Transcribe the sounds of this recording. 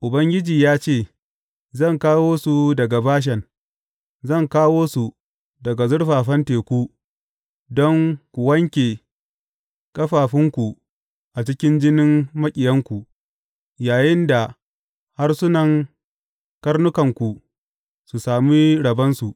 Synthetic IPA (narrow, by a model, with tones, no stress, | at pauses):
ʔʊ˨bɐ˦ŋɡʲɪ˦d͡ʒiː˨jaː˦t͡ʃeː˦˨ | zɐ˦˨ŋkaː˦woː˦su˨dɐ˨ɡa˨baː˦ʃ̬ɛ˨n | zɐ˦˨ŋkaː˦woː˦su˨ | dɐ˨ɡa˨zʊ˦ɽɸaː˨ɸɐ˦nteː˨kʷu˦ | dɔ˦ŋkʷu˨wɐ˦ŋkʲeː˨ | kʼɐ˦ɸaː˨ɸɪ˦ŋkʷu˨ | ʔa˨t͡ʃɪ˦kʲɪ˦nd͡ʒɪ˦nɪ˦mmɐ˦kʲʼɪ˨jɐ˦ŋkʷu˨ | jaː˨jɪ˦nda˨ | ha˦rsʊ˦nɐ˨ŋ | kɐ˦rnʊ˦kɐ˨ŋkʷu˨ | su˨saː˨miː˦ɽɐ˨bɐ˦nsu˨ʔ